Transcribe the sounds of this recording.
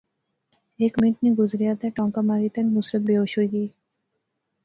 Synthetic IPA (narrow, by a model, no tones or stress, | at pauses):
eːkmɪ̃ɳʈneɡʊzɾijat̪ʰɛʈɔ̃ːŋkamaɾit̪ɐnmʊsɾət̪̚beoːʃɦoiɡiː